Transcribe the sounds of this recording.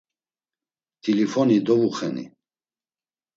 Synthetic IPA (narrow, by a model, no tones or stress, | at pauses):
t̪ʰilifɔnid̪ɔvuχɛnḭ